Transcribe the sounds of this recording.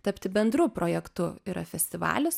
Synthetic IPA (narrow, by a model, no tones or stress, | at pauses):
t̪ɐpʲt̪ʲɪbʲɛnd̪ɾʊpɾoːjɛkt̪ʊiːɾɐ̰fʲɛsʲt̪ʲɪʋɑ̰ːlʲʊs